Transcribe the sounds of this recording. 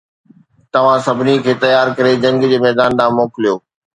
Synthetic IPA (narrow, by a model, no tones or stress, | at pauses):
t̪ɐʋ̤ãsɐbʱɪnikʰeːt̪ɐjaːɾkɐɾed͡ʑɐ̃ŋɡd͡ʑeːmɛːd̪aːnɗ̪aːmoːkɪlijoː